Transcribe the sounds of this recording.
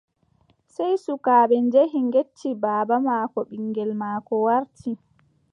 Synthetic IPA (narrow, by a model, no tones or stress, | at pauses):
sɛjsukaːɓɛnd͡ʒeɦiŋɡet͡ʃːibaːbamaːkɔɓiŋːɡɛlmaːkɔwaɾtʰi